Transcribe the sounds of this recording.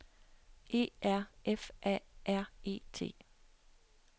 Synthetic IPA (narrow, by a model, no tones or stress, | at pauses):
ʔe̝̰ːæɐ̰ʔefʔɛ̰ʔæɐ̰e̝̰ːt͡sʰe̝̰ː